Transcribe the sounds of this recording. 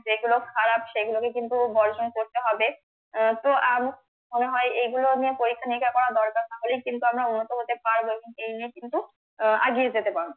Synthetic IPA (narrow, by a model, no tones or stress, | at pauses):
d͡ʑeɡulokʰaɾabʃeɡulokekint̪ubɔɾd͡ʑonkoɾt̪eɦɔbe | t̪oʔam | moneɦɔeejɡulonijepoɾikʰːanikʰːakɔɾad̪ɔɾkaɾʃaɦolijkint̪uamɾaunːot̪oɦot̪epaɾboeboŋejniekint̪u | a̰ɡied͡ʑet̪epaɾo